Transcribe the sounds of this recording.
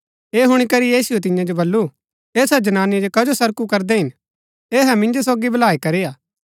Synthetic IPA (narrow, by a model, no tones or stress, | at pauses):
eːɦʊɽ̃ikɐɾijiːsʊet̪̬ɪ̃jãd͡ʒobɐlːu | eːsad͡ʒɐnaːnid͡ʒokɐd͡ʒosɐɾkukɐɾd̪ɛɦɪn | eːɦɛ̃mɪ̃nd͡ʒos̬oːɡibɐlaːikɐɾeːjaː